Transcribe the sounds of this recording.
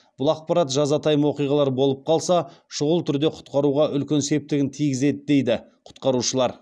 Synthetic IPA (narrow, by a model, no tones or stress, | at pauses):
b̥ʊlˠɑq̚pɑɾɑt̪ʒɑzɑt̪ʰɑjəmwo̞qijʁɑlˠɑɾbo̞lˠəp̚qʰɑlˠsɑʃʊʁʊlˠt̪ʰʏɾd̪e̞qʰʊ̥t̪qɑɾuʁɑʔʏlkʲe̞nse̞p̚t̪ɪɡʲɪnt̪ʰijɡʲɪze̞d̪ɪd̪e̞jd̪ɪqʰʊ̥t̪qɑɾuʃəlˠɑɾ